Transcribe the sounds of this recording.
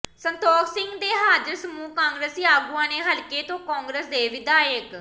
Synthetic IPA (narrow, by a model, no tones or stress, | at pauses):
sənt̪ɔːksɪŋɡd̪eːɦaːd͡ʒəɾsəmuːkãːŋɡɾəsiaːɡuãːneːɦəlkeːt̪õːkɔːŋɡɾəːsd̪eːʋɪd̪aːjək